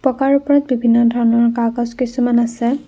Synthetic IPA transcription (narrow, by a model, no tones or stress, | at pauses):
pɔkaɹʊpɔɹat̪̚bibʱinːɔdʱɔɹnɔɹkaɡɔzkisumanasɛ